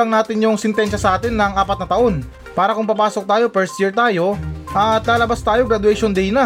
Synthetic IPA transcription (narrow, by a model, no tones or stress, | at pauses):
ɐŋnaːt̪ɪnjʊŋsɛnt̪ɛnʃɐsɐʔaːt̪ɪnːɐŋaːpɐt̪̚nɐt̪ɐʔo̞n | paːɾɐkʊŋpɐpaːsok̚t̪aːjo̞pɛɹst̪jiɹt̪aːjo̞ʔɐt̪laːlɐbast̪aːjoɡɾɐd̪ʊɛjʃond̪ɛjnɐ